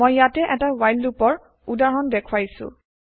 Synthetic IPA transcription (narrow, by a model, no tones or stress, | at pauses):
ɔjːatɛʔɛtawajlupɔɹ | udaɹɔndɛkʰwajsʊ̰̃